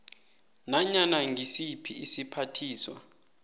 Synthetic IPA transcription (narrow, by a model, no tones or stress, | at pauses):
naɲanaŋisipʰiːsipʰatʰiːswa̰